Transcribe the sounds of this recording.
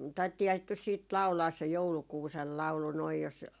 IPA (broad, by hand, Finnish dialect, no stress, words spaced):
tɑitːiːhɑː sit nys siːt lɑu̞lɑːs se joulukuːsel lɑu̞lu noij jos